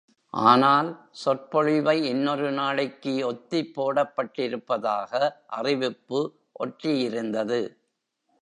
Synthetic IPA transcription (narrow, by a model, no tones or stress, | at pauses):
ʔaːnaːlsɔr̚pɔɻɪʋɐɪɛnːɔɾɯnaːɭɪkːɯɔt̪ːɪpːoːɽɐpːɐʈːɪɾɯpːɐðaːɣɐʔɐrɪʋɪpːɯ | ʔɔʈrɪjɪɾɯnd̪ɐðɯ